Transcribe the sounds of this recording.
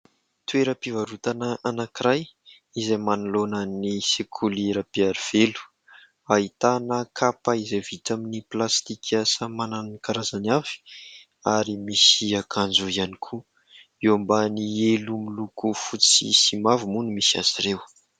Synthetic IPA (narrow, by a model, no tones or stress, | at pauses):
t̪ueɾəpivaɾut̪anaʔanakiɾaj | izamanulonənisekʰuleɾapiaɾiv̥elu̥ | ait̪anəkʰapaizevit̪aminiplast̪ikʰasamananikaɾazanavi̥ | aɾimisiakʰand͡ʒuianikʰu | ewambanielumilukufut͡sḭsimavumunimisia̰zirew